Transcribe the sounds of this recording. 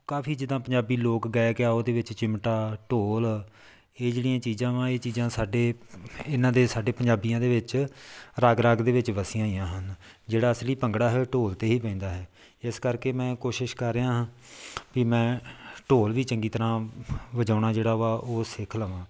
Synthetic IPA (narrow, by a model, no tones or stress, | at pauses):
kaːfʰiːd͡ʒɪd̪ãːpəɲd͡ʒaːbiːloːkɡɛɛkeaːoːd̪eːʋɪt͡ʃt͡ʃɪmʈaːʈoːl | eːd͡ʒeːɽijãːt͡ʃiːzãːʋãːeːt͡ʃiːzãːsaːɖeːɪnãːd̪eːsaːɖeːpəɲd͡ʒaːbijãːd̪eːʋɪt͡ʃɾaɡɾaɡd̪eːʋɪt͡ʃʋəsijãːijãːɦən | d͡ʒeːɽaːəsliːpəŋɡɽaːɦɛːoːʈoːlt̪eːɦiːpɛ̃ĩːnd̪aːɦɛː | ɪskəɾkeːmɛ̃ːkoːʃɪʃkəɾːeːãːɦː | kiːmɛ̃ːʈoːlʋiːt͡ʃəŋɡiːt̪əɾãːʋəd͡ʒãːʊɳaːd͡ʒeːɽaːɦoaːʔoːsɪkʰləːʋãː